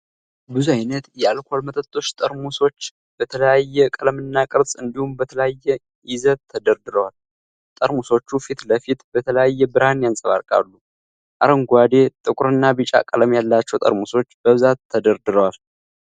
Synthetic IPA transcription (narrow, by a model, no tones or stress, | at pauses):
bɨzuajnət̪jɛalkʰo̞lmət̪ʰʼət̪ʼːo̞t͡ʃːt̪ʼəɾmuso̞t͡ʃː | b̥ət̪ʰələjajːɛkʼələmɨnːakʼɨɾsʼɨnd̪ihumbət̪ʰələjajːɛ | ʔɪzət̪ʰːəd̪əɾd̪ɨɾəwal | t̪ʼəɾmuso̞t͡ʃːufit̪ləfit̪bət̪ʰələjajːɛbɨɾanjansʼəβa̰ɾkʼa̰lːu | ʔaɾəŋɡʷad̪e̞t̪ʼɨkʼɾɨnːabɨt͡ʃʼa̰kʼələmjalːat͡ʃːɛwt̪ʼə̰ɾmuso̞t͡ʃːbəβɨzat̪ʰːəd̪əɾd̪ɨɾəwal